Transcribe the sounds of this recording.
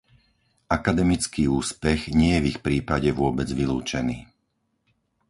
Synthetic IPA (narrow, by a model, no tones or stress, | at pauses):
akad̪ɛmit͡skiːuːspɛɣɲɪɛjɛvixpɾiːpaɟɛʋʊɔbɛd͡zʋilṵːt͡ʃɛniː